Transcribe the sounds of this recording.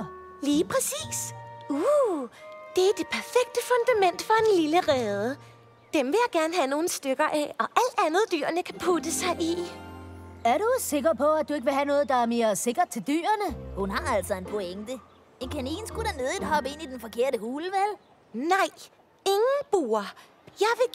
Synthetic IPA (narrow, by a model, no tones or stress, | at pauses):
liːpʰʁɛsḭːsu | d̥e̝æɐd̥e̝pʰæɐfeɡ̥̚d̥əfɔ̽nd̥æmen̰d̥fɒ̽e̝nliləʁɛːð̞ˠə | d̥emʋe̝jɑ̈ɡ̥æɐnəɦæno̝ːn̩sd̥øɡ̥ɐʔɛɒ̽ʔæl̰d̥ænð̞̩ˠd̥y̰ːɐnəkʰæpʰud̥əsɑ̈ɪʔi | æɐɾuse̝ɡ̥ɐpʰɒ̽æd̥̚ue̝ɡ̥əʋe̝ɦænɔ̽ːð̞̩ˠd̥ɑ̈æɐme̝ːɐse̝ɡ̥ɐd̥̚t͡sʰe̝ld̥y̰ːɐnəhunhɑ̈æl̰sɒ̽e̝npʰoeŋd̥ə | e̝nkʰænḭːnsɡ̥uɾ̥æne̝ðˠdɦɒ̽b̥əe̝n̰id̥enfɒ̽kʰe̝ɐ̰ɾəhuːləʋæl | nɑ̈ɪ̰ | e̝ŋn̩b̥uːɐ | jɑ̈ɪʋe̝